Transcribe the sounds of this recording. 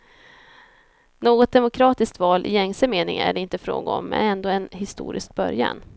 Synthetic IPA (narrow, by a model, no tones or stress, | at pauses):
noːɡɔt̪̚d̪ɛmʊkʰɾɑːt̪ɪskt̪vɑːlʔɪjɛŋsəmeːnɪ̰ŋæ̰ɖɛɪnt̪əfɾo̰ːɡaɔmːɛ̰nɛnd̪oːɛnɦɪst̪ṵːɾʔɪsk̚bœɾja̰n